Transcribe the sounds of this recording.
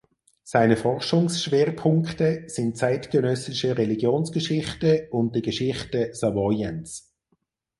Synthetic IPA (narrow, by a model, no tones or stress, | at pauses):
saɪnəfɔʁʃʊŋsʃveːʁpʰʊŋktəsɪnt̚t͡saɪtɡənœsɪʃəʁɛliɡjoːnsɡ̥əʃɪχtəʊnt̚dəɡ̥əʃɪχtəsɑvɔjəns